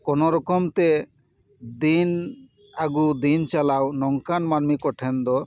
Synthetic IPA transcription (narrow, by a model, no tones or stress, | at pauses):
konoɾɔkomt̪e | d̪in | aɡud̪int͡ʃalawnɔŋkanmanmikɔʈʰend̪ɔ